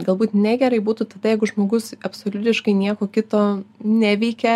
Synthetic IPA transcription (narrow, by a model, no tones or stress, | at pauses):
ɡɐlˠbuːt̪nʲæɡʲɛɾɐɪbuːt̪ut̪ɐd̪ɐjɛɪɡʊʒmoːɡʊsɐpsoːlʲʊt̪ʲɪʃkɐɪnʲiɛkoːkʲɪt̪oːnʲæʋʲɛɪkʲɛ